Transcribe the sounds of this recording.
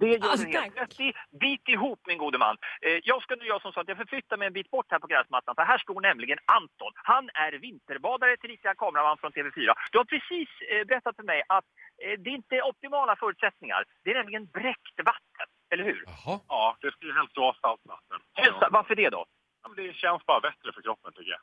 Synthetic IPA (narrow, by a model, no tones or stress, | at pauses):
d̪ɛjœːɛhelʰɾɛt̪ːd̪ɛbiːt̪ɪɦuːpːmɪnɡuːd̪əma̰nːjɑːɡskanʉːjɑːsɔmsɑːt̪jɑɡfœɾflʏt̪ːaɾmɛjɛnbiːt̪̚bɔʈːhæːɾpʰɔɡɾɛːsmat̪ːanfəɦæːʂʈoːɳɛmlɪɡənant̪ɔnhanæɾvɪnt̪əɾbɑːd̪aɾət̪ʰɪliːt̪akʰɑːmɾamanfɾɔnt̪ʰeːvɛfyːɾa̰d̪̥ɵhaɾpʰɾɛsiːsbɛɾɛt̪ːat̪fœɾmɛjʔat̪d̪ɛɾɪnt̪əɔp̚t̪ɪmɑːlafœːɾʉt̪sɛt̪nɪŋa̰ɾd̪ɛæɳɛmlɪɡənbɾɛkt̪vat̪ːə̰n | ɛlːəɾhʉ̟ːɾɑːd̪̥ɛskajəɦɛlst̪d̪oːasalt̪va̰t̪ːənɛsavaɾfəɖɛd̪ɔ̰ | amnd̪ɛɕɛnsbɑːɾabɛt̪ɾəfœɾkʰɾɔpːənt̪ʰʏkːəja̰